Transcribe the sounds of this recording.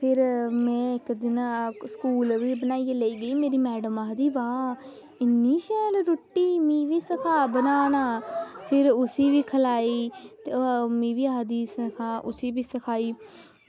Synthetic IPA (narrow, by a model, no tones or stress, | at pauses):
pʰɪɾmɛ̃ːɪkd̪ɪnaːskuːlʋiːbənaːiːeːleiːɡəiːmeːɾiːmɛːɖəmaːd̪iːbaː | ɪnːiːʃɛːlɾoːʈːiːmĩːʋiːsəkʰaːbənaːnaːpʰɪɾʊsiːʋiːkʰəlaːiːt̪emĩːʋiːaːd̪iːsəkʰaːʔʊ̰siːʋiːsəkʰaːiː